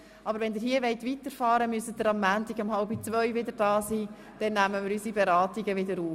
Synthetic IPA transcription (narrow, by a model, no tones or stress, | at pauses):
ʔɑbəɾʋɛndɪɾɦiəʋɛɪtʋitəɾfɑːɾəmyəsədəɾɑmːæːntɪɡɑmhɑlbit͡svœʏvʋɪd̪əɾd̥ɑːsiː | d̥ɛnːæməmɪɾysibɛɾɑːtiɡəʋɪdəɾuːf